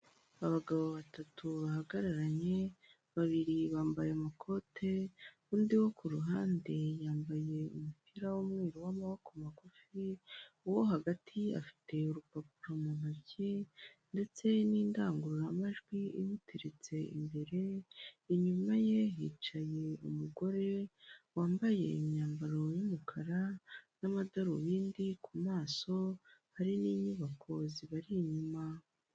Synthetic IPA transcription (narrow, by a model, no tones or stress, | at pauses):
aβaɡaβo̞βatʰatʰuβahaɡaɾaɾaɲe̞ | βaβiɾiβaːmbajemakʰo̞tʰe̞ | uːndiwo̞kuɾuɦaːnde̞jaːmbaje̞umupiɾawomŋiːɾiwamaβokomakufiwoɦaɡatʰia̰fi̥tʰe̞uɾupapuɾomunabɟende̞t͡se̞niːndaːŋɡuɾuɾamaʒɡwiimutʰiɾit͡se̞ḭmbe̞ɾe̞iɲumaje̞jiːt͡ʃaje̞umuɡo̞ɾe̞waːmbaje̞imɲaːmbaɾo̞jumukʰaɾanamadaɾuβiːndikʰumaːso̞haɾiniːɲuβaŋkʰoziβaɾiɲuma